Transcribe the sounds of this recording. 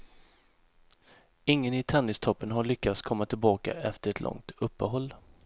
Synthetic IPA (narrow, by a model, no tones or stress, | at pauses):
ɪŋːənɪt̪ʰanːɪst̪ʰɔpːənɦaɭʏkːat̪skʰɔmːat̪ʰɪlbɑːka̰ʔɛft̪əɾɛt̪ʰlʔɔ̰ŋt̪ʰɵpːəɦɔlː